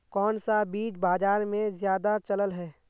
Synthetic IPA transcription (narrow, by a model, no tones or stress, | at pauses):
kɔːnsabiːt͡ʃbaːd͡ʒaːɾmẽzjaːd̪at͡ʃɐləlɦɛː